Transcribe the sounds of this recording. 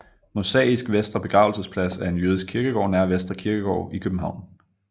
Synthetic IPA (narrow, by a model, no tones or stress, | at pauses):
mosɛ̰ːisɡ̥ʋesd̥ʁɐb̥e̝ɡ̥ʁɑ̈ʊl̩səspʰlæsæɐe̝njøːð̞ˠisɡ̥kʰiɐɡ̥əɡ̥ɒ̰ːnæɐʋesd̥ʁɐkʰiɐɡ̥əɡ̥ɒ̰ʊikʰøb̥m̩ɦɑ̈ʊ̰n